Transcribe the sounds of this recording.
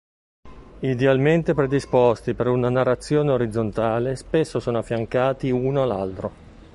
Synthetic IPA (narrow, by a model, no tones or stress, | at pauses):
id̪ealment̪epɾed̪ispost̪ipeɾunanarːat̪sːjoːneoɾid̪zːont̪aːlespesːosoːnoafːjaŋkaːt̪iunoalːa̰lt̪ɾo